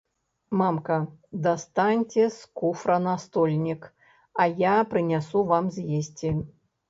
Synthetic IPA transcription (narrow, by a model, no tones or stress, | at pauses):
mamkɐd̪ast̪anʲt͡sʲɛskufɾɐnast̪ɔlʲnʲik | ɐjapɾɨnʲasuvamzʲjesʲt͡sʲi